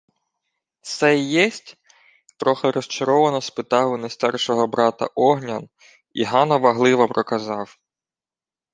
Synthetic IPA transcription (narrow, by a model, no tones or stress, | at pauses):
sɛjɛsʲtʲ | t̪ɾɔxeɾɔst͡ʃɐɾɔʋɐnɔspɪt̪ɑɦʊnɐjst̪ɛrʃɔɦɔbɾɑt̪ɐ̰ʔɔɦnʲɐn | iɦɑnɔʋɐɦlˠɪʋɔpɾɔkɐzɑw